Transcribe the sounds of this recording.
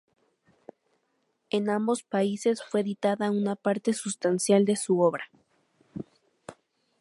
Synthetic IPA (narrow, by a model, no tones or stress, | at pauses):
e̞nãmbo̞spaise̞sfwe̞ðit̪aðaunapaɾt̪e̞sust̪ansjald̪e̞suo̞βɾa